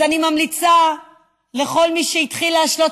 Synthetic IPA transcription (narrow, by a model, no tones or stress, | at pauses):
animamlit͡sa | le̞χo̞lmiʃeit̪χileaʃlot